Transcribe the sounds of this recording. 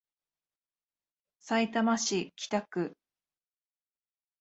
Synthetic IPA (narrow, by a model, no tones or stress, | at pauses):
sait̪amaɕikʲi̥t̪akɯ̟